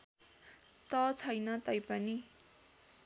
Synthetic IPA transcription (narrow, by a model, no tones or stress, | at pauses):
t̪ʌt͡sʰʌjnʌt̪ʌjpʌni